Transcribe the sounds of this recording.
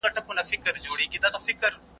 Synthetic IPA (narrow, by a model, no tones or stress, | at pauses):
ɐʈʰɐkonafɪkəɾd͡ʒoːɽikid̪aːt̪afɪkəɾ